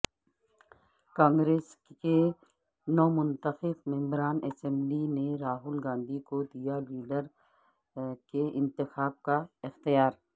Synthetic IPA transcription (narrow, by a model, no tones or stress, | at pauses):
kãːŋɡɾeːske | nɔːmʊ̃nt̪əxɪfmɛ̃mbɾaːnɛsɛ̃mblineɾaːɦʊlɡãːnd̪ʱikod̪ijaliːɖəɾ | keɪ̃nt̪ɪxaːb̚kaɪxt̪ɪjaːɾ